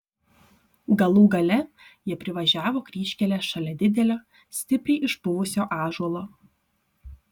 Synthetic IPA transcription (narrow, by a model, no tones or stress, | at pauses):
ɡɐlˠuːɡɐlʲɛ | jiɛpʲɾʲɪʋɐʒʲæːʋoːkɾʲiːʃʲkʲɛlʲɛːʃɐlʲɛd̪ʲɪd̪ʲɛlʲoː | sʲt̪ʲɪpʲɾʲɪʔɪʃbʊʋʊsʲoːʔɑːʒuɔlˠoː